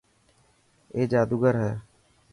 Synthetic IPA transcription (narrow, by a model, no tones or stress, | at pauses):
eːd͡ʒaːd̪uːɡəɾɦɛː